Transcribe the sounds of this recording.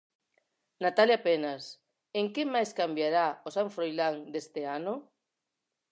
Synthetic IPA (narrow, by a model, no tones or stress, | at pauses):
nat̪aljapenas | eŋkɪmajskambjaɾaosaɱfɾojlaŋd̪est̪eanʊ